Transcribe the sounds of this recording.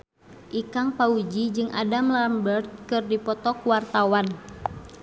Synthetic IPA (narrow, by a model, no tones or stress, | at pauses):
ʔikaŋpaud͡ʒid͡ʒɨŋʔa̰damlambərt̪̚kɨrdipɔt̪ɔkuwart̪awan